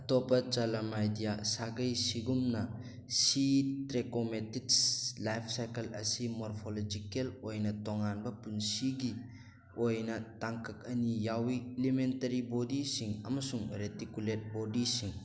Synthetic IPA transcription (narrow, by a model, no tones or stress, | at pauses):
ɐtopɐt͡ʃalɐmajdijasaɡɐjsiɡumnɐ | sitɾekometitslajpʰsajkelɐ̰simoɾpʰolod͡ʒikelojnɐtoŋanbɐpunsiɡi | ojnɐtaŋkɐk̚ɐnijawielementɐɾibodisiŋɐ̰mɐsuŋɾetikulet̚bodisiŋ